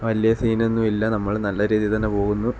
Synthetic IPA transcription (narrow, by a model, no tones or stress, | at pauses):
ʋɐlijɐsiːnenːumilːɐnɐmːɐɭnɐlːɐɾiːðijt̪ɐnːepo̞ːɣunːu